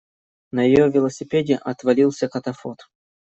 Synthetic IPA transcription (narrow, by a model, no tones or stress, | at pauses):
nəjɪjovʲɪlˠəsʲɪpʲedʲɪʔɐt̪vɐlʲilˠsʲəkɐt̪ɐfot̪